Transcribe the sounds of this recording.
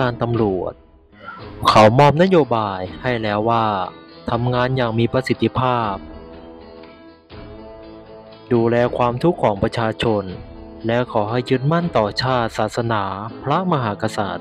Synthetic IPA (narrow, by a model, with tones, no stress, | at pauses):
aː˧nt̪a˧mɾu˨˩ət̪̚ | kʰa˩˦wmɔː˧˥˩mna˦˥joː˧baː˧jha˥˩jlɛː˦˥wːaː˥˩t̪ʰa˧mŋaː˧njaː˨˩ŋmiː˧pɾa˧si˨˧˩t̪ʰːi˧pʰaː˥˩p̚ | duː˧lɛː˧kʰwaː˧mt̪ʰu˦˥kʰːɔː˩˦ŋpɾa˧t͡ɕʰaː˧t͡ɕʰo˧n | lɛ˦˥kʰɔː˩˦ɦa˥˩jːɯː˦˧˥n̚ma˥˩nt̪ɔː˨˩t͡ɕʰaː˥˩t̪̚saː˨˩t̪̚sa˧naː˩˦pʰɾa˦˥ma˧ɦaː˩˦ka˧sa̰ː˨˩t̪̚